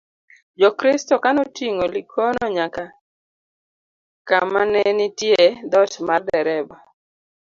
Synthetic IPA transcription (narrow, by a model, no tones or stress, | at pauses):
d͡ʒɔkɾɪstɔkanɔtiŋolikʰonɔɲaka | kamanɛnitjed̪ɔtmardɛɾɛbɔ